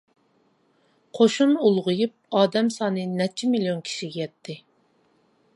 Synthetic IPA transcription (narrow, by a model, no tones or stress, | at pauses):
qʰoʃunulˠʁʊjup̚ɑːd̪ɛmsɑːnɨnɛt͡ʃʰːimilijonkʲʰi̥ʃiɡʲɛjɛt̪ʰːɪ